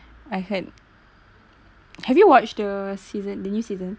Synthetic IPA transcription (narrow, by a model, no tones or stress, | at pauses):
aɪsɛt̚ | hɛvjuwɔt͡ʃdəsizə̃ndənjusiːzə̃n